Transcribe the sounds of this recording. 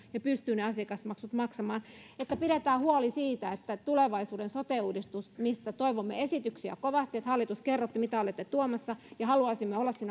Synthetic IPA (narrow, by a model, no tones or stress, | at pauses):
jɑpyst̪yːneɑsiɑkɑsmɑksut̪mɑksɑmɑːnet̪ːæpiɾet̪æːhuolisiːt̪æet̪ːæt̪uleʋɑisuːdensot̪euːdist̪usmist̪æt̪oiʋomːḛesit̪yksiæ̰koʋɑst̪iet̪hɑlːit̪uskerːot̪ːimit̪æolet̪ːet̪uomɑsːɑjɑhɑluɑˑsimːeolːɑssiːnæ